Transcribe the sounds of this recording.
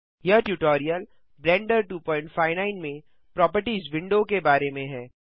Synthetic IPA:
jɐʈjuːʈɔːɾijəl | bɾɛ̃ːɳɖəɾʈuːpɔ̃ːɪ̃ɳʈfaːɪʋnãːɪnmẽ | pɾɔːp̬əɾʈiːzʋɪ̃ɳɖokebaːɾemẽɦɛ̃ː

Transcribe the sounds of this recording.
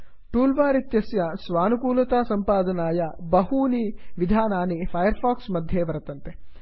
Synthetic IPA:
ʈuːlʋaːɾit̪jɐsjɐsʋaːnukuːlɐt̪aːsɐmpaːd̪ɐnaːjɐbɐɦuːniʋid̪ʱaːnaːnipʰɐjɐɾpʰaːksmɐd̪ʱjeːʋɐɾɐt̪ɐnt̪e

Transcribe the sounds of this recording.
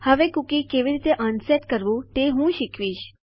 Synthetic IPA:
həʋekukikeʋiɾiːt̪eʔənsɛʈkəɾʋũt̪eɦũːʃikʰʋiːʃ

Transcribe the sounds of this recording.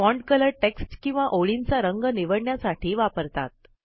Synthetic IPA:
mɔɳɖkələɾʈeksʈkĩw̃ʋaʔoɭint͡saɾəŋɡəniʋəɽɳjasaʈʰiːʋapəɾt̪a̰t̪̚

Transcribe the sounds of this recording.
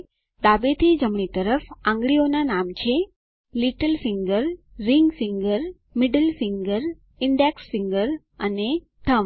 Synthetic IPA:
d̪abet̪ʰid͡ʒəmɳit̪əɾəfãŋɡɭionanamt͡ʃʰe | liʈəlfiŋɡəɾː | iŋɡfiŋɡəɾ | mɪɖəlfiŋɡəɾ | ɪɳɖeksfiŋɡəɾ | əne | ʈ̪ʰəm

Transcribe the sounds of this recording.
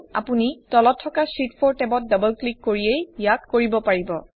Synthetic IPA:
a̰punitɔlɔtʰːɔkasɹitpʰɔɹtɛbɔt̚dabəlklikːoɹiejjakkoɹibɔpaɹibɔ

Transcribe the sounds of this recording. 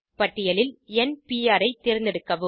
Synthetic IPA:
pɐʈːɪjɐlɪlɛnpiːaːɾɐɪt̪ːɪɾɪnd̪ɪɽɯkːɐʋɯ

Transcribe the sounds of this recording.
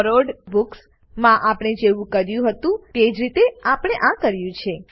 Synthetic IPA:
ɾoɖbuks | mãʔapɽ̃ed͡ʒeʋũkəɾjũɦət̪ũt̪ed͡ʒɾit̪eapəɽ̃eʔãkəɾjũt͡ʃʰe

